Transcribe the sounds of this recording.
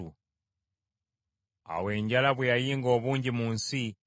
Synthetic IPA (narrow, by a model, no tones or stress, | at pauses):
u | a̰wɛːɲɟalaβujajiŋɡɔːβuɲɟimunsi